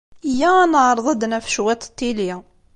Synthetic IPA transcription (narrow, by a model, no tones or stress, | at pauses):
jænəʕɾˤðˤɑd̪næfʃwæt̪ˤt̪ːiljæ